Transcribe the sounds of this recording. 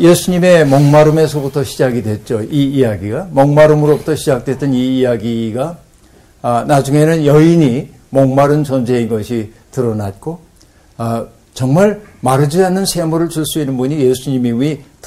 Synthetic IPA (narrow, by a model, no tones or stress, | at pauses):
jesʰuɲime̞mʌŋmaɾɯme̞sʰobutʰʌɕʰid͡ʑaɡidwe̞t̚t͡ɕ͈oiːjaɡiɡamʌŋmaɾɯmɯɾobutʰʌɕʰid͡ʑak̚t͈we̞t͈ɯniːjaɡiɡa | nad͡ʑuŋe̞nɯnjʌiɲi | mʌŋmaɾɯnt͡ɕʌnd͡ʑe̞inɡʌɕʰi | tɯɾʌnat̚k͈o | t͡ɕʌŋmaɭmaɾɯd͡ʑianːɯnsʰe̞muɾɯɭt͡ɕuɭs͈uinːɯnbuɲijesʰuɲimiuit